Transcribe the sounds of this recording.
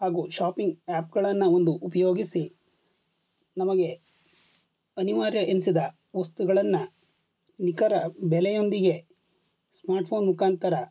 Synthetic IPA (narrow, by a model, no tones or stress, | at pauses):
haːɡuːʃaːpiŋɡaːp̚ɡɐɭɐnːɐo̞nd̪uʔupɐjo̞ːɡisi | nɐmɐɡe̞ | ɐniʋaːɾjɐʔensid̪ɐ | ʋɐst̪uɡɐɭɐnːɐ | nikɐɾɐbɛlejo̞nd̪iɡe̞ | smaːɾʈpʰo̞ːnmukaːnt̪ɐɾɐ